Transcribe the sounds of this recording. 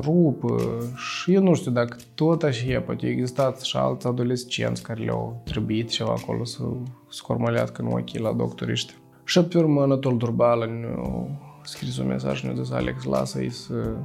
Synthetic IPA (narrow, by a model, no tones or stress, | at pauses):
rupəʂɨjewnuʂt̪ʲuwd̪akə̥t̪ot̪aʃejapat̪ʲeeɡzist̪at̪ʃa̰lt̪sad̪olʲesʲt͡ʃiḛntsʲkaɾʲelʲa̰wt̪ɾebuit̪t͡ʃeva̰ːko̰lʔosəskormolʲea̰t̪kənua̰kʲelad̪o̰kt̪oɾʲḭʃt̪ʲe | ʂap̚t̪ʲurmənat̪old̪urbalanʲ | skɾis̬omʲḛsa̰ʒnʲud̪esa̰lʲeksla̰sa̰isə